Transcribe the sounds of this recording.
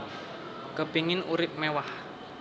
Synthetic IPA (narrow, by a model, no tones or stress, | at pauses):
kə̤piŋɪnuɾɪp̚mɛwah